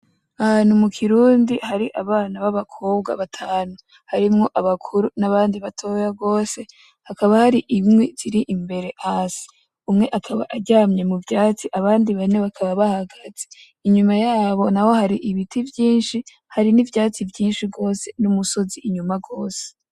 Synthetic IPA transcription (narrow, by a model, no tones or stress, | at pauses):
ahan̥humukʰiɾuːndihaɾiʔaβaːnaβaβakʰo̞ːb̚ɡa̰βatʰaːnu | haɾimŋo̞ʔaβakʰuɾunaβaːndiβatʰo̞jaɡo̞ːse̞ | hakaβahaɾiʔimŋez̥iɾiʔimbe̞ɾe̞haːsi̥ | umŋe̞ʔakʰaβa̰ʔaɟaːmɲe̞muvjaːt͡siʔaβaːndiβaneβakʰaβaβahaɡaze | iɲumajaːβo̞naho̞haɾiʔiβitʰivjiːnʃi | haɾinivjaːt͡sivjiːnʃiɡo̞ːse̞numuso̞ziʔiɲumaɡo̞ːse̥